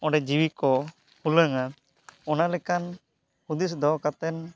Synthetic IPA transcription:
ɔ̃ɖɛd͡ʒiwikɔ | huləŋa | ɔnalɛkan | hud̪isd̪ɔkat̪ɛn

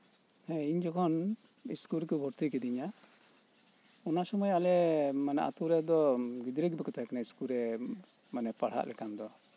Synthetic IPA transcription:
hɛ̃iɲd͡ʒɔkʰɔn | iskuɾɛkɔbʱɔɾt̪ikɛd̪iɲa | ɔnasɔmɔjalɛmanɛ̰ʔa̰t̪uɾɛd̪ɔɡid̪ɾɛɡbɛkɔt̪ʰaakanaiskuɾɛ | manɛpaɽ̤a̰ʔlʔɛkand̪ɔ

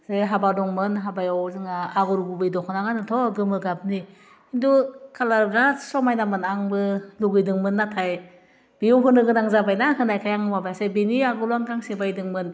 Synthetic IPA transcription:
seɦabadɔŋmɯnɦabajɔwzɯŋaːɡuɾububɯjdɔkʰɔnaŋanɯtʰɔɡɯmɯɡap̚ni | indukʰalaɾbɾasɔmajnamɯnaŋbɯluɡɯjdɯŋmɯnːatʰaj | b̥ijuɦɯnɯɡɯnaŋzabajnahɯnajkʰajaŋwabajsebeniaɡuɾuaŋkʰaŋsebajdɯŋmɯn

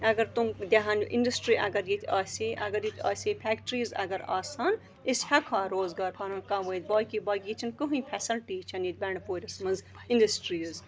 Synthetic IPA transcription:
ɐɡɐɾt̪umd̪ʲɐɦaːnʔḭnɖɐsʈɾiːʔɐɡɐɾjit̪ʰʲaːsiʔɐɡɐɾjit̪ʰʲa̰ːsiːpʰɛkʈɾiːzɐ̰ɡɐɾa̰ːsaːn | ishɐkʰaːɾoːzɡaːɾpʰɐɾɐ̃nkãːʋɐːjt̪̚ʲbɔːjkibɔːjkʲit͡ʃʰɐnkɨɦũpʰɛsɐlʈiːt͡ʃʰɐnit̪̚ʲbɐɳpoːɾʲɐsmɐz | inɖɐsʈɾiːz

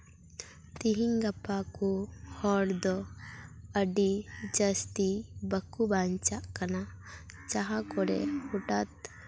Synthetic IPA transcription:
t̪iɦiŋɡɐpːakuhɔɽd̪ɔ | əɖid͡ʒəst̪ibəkːubant͡ʃaʔkana | t͡ʃaɦakɔɽɛ̰huʈat̪̚

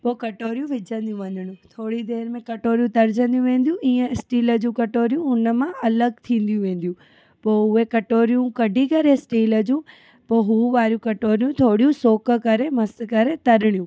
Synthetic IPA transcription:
poːkɐʈoːɾijũʋɪd͡ʑʱə̃nd̪ijũʋɐ̃ɲd̪ɪɽ̃ũt̪ʰoːɽid̪eːɾmẽkɐʈoːɾijũt̪ɐɾd͡ʑə̃nd̪ijũʋẽːnd̪ijũʔiːə̃ɪsʈiːləd͡ʑũːkɐʈoːɾijũɦʊnə̆mãʔɐləɡ̚t̪ʰĩːn̆d̪ijũʋẽːn̆d̪jũ | poːɦʊekɐʈoːɾijũkɐɖʱikɐɾesʈiːlə̆d͡ʑũː | poːɦuʋaːɾijũkɐʈoːɾijũt̪ʰoːɽijũsoːkə̆kɐɾemɐskɐɾet̪ɐɾɪɽijũ

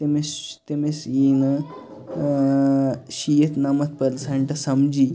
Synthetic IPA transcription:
t̪emest̪emesjinɐ | ɕijet̪namɐt̪̚pɐlsɐɳʈɐsɐmd͡ʑi

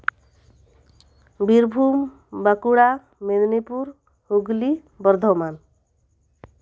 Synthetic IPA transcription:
biɾbʱum | bakuɽa | med̪nipuɾ | huɡli | bɔɾd̪ʱɔman

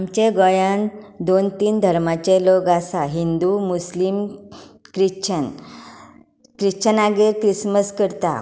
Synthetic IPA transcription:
amt͡ɕeɡɔjãnd̪ont̪iːnd̪ʱəɾmat͡ɕeloɡasaɦind̪umuslim | kɾit͡ɕʰən | kɾit͡ɕʰənaɡeɾkɾisməskəɾt̪a̰

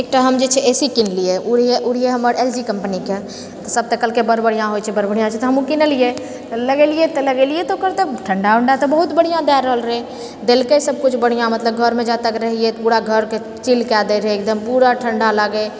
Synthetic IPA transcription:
eːk̚ʈaɦəmd͡ʒet͡ʃʰɛʔesikinlijeuɽijeʔuɽ̤ieɦəməɾeld͡ʒikəmpnike | t̪ɔsəb̚t̪əkəlkebəɾbəɽ̤ijãɦojt͡ʃʰɛbəɾbəɽ̤ijãt͡ʃʰɛt̪oɦəmũkinəlije | t̪ləɡeliet̪ɔləɡeliet̪okəɾt̪əʈʰəɳɖaʊɳɖat̪obəɦut̪bəɽ̤ijãd̪ɛɾəɦəlɾəe | d̪eːlkesəb̚kʊt͡ʃʰbəɽ̤ijãmət̪ləb̚ɡʱəɾmẽd͡ʒat̪əkɾəɦiet̪puɾaɡʱəɾke | t͡ʃilkɛd̪eɾeeːk̚d̪əmpuɾaʈʰəɳɖaləɡe

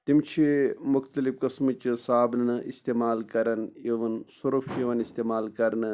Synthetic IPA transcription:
t̪imt͡ʃʰimukt̪ɐlifkɐsmit͡ʃɨsaːbnɨnɨʔist̪emaːlkɐɾɐneʋɐnsuɾɐfeʋɐnist̪eːmaːlkɐɾɐnɨ

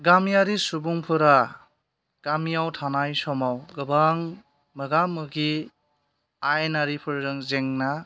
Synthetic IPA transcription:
ɡamijaɾisubuŋpʰɯɾa | ɡ̥amijawtʰanajsɔmawɡɯbaŋ | mɯɡamɯɡi | ajnaɾipʰɯɾɾɯŋzeŋna

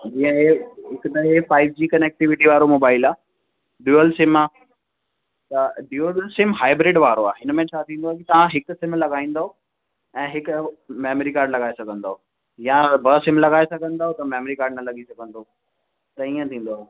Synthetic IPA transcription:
d͡ʑĩːə̃ɦeɦɪkt̪ɐɦefaːɪb̚d͡ʑiːkɐnek̚ʈɪʋɪʈiʋaːɾomoːbaːɪlaː | ɖjuːəlsɪmaː | t̪ɐɖjuəlsɪmɦaːɪbɾɪɖʋaːɾoaːɦɪnmẽt͡ɕʰaːt̪ʰĩnd̪oaɦekit̪ɐʋãɦɪksɪmlɐɡaːĩːn̆d̪aɦo | ɛ̃ːɦɪkmeːməɾikaːɾɖlɐɡaːesɐɡʱə̃nd̪aːɦo | jãbʱɐsɪmlɐɡaːesɐɡʱə̃nd̪aːɦot̪ɐmeːmɾikaːɾɖnɐlɐɠisɐɡʱə̃nd̪o | t̪ɐiːə̃t̪ʰĩːn̆d̪oaɦe

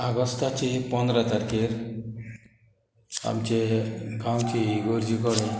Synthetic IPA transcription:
aɡɔst̪at͡ɕepɔ̃nd̪ɾat̪aɾkeɾ | a̰mt͡ɕeɡãwt͡ɕiɡoɾd͡ʑikɔɽẽ

